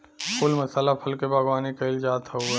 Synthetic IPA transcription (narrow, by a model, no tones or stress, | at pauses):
pʰulməsaːlapʰəlkebʱəɡwaːnikəɪld͡ʒaːt̪ɦo